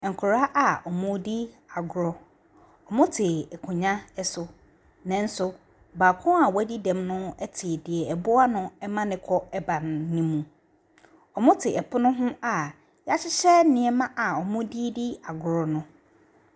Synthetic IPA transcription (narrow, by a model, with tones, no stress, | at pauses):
ŋ̩˨kʰʊ˨ɾa˦ʔa˨ɔ˨mʊ̃˦di˦ | a˨ɡʊ˨ɾɔ˨ | ɔ˨mʊ̃˦tʰɪ˨ɛ˨kʰʊ̃˨ɲã˦ɛ˦sʊ˨ | nɛ̃˨n˦sʊ˨ | ba˨kʰʊ̃˦a˨wæ˦di˦dɛ̃˨mnʊ̃˦ɛ˦tʰɪ˨dɪ˨ɛ˨ɛ˨bʊ˦a˦nʊ̃˦ɛ˦mã˦nɪ̃˦kʰɔ˦ɛ˦ba˨nː˨ĩ˦mũ˨ | ɔ˨mʊ̃˦tʰɪ˨ɛ˨pʰʊ˦nʊ̃˦ɦʊ̃˦a˨ | ja˦ɕɪ˦ɕɛ˦nɪ̃˦ɛ˨mã˦ʔa˨ɔ˨mʊ̃˦di˦di˦a˨ɡʊ˨ɾɔ˨nʊ̃˦